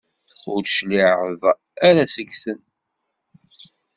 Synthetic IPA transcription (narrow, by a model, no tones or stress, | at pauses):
ʊɾʃliʕəv | æɾæsəɡsən